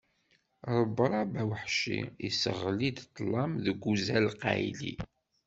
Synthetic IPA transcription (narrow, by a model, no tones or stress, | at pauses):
ɾˤəbɾˤɑbæwħʃḭḭsəʁlid̪t̪ˤːlˤːɑmðəɡʷuzælqæ̰jlḭ